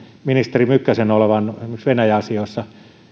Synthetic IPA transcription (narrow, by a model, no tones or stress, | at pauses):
minist̪erimykːæsenoleʋɑnmeksʋenæjæɑsioisːɑ